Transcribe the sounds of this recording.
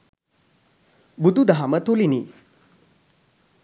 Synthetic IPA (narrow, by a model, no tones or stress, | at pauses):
bud̪ud̪aɦamɐt̪olini